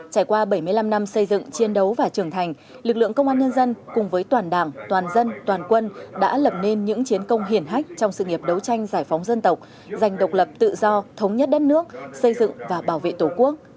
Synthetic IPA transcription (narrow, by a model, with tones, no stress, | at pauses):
t͡ɕaː˧˩jkwaː˧ɓə˧˩jmɨ˧əjla˧mna˧msə˧jzɨ̰˧˨ŋt͡ɕi˧ənɗə˨˦wvaː˨˩t͡ɕɨ˧˩əŋt̪ʰa˨˩jŋ̟ | lɨ˨˩k̚lɨ̰˧˨əŋkə˧wŋ͡mʔaː˧nɲə˧nzə˧nkʊ˨˩ŋ͡mvəː˨˦jt̪waː˨˩nɗaː˧˩ŋt̪waː˨˩nzə˧nt̪waː˨˩nkwə˧nɗa̰ː˧˥lə˨˩p̚ne˧nɲɨ̰˧˥ŋt͡ɕi˨˦ənkə˧wŋ͡mɦi˨˩ənɦa˦˥jk̟̚t͡ɕɔ˧wŋ͡msɨ̰˧˨ŋi˨˩əp̚ɗə˨˦wt͡ɕa˧jŋ̟zaː˧˩jfɔ˨˦wŋ͡mzə˧nt̪ə˨˩wk͡p̚ | za˨˩jŋ̟ɗə˨˩wk͡p̚lə˨˩p̚t̪ɨ̰˧˨zɔ˧t̪ʰə˨˦wŋ͡mɲə˦˥t̚ɗə˦˥t̚nɨ˦˥ək̚sə˧jzɨ̰˧˨ŋvaː˨˩ɓaː˧˩wvḛ˧˨t̪o˧˩ku˦˥ək̚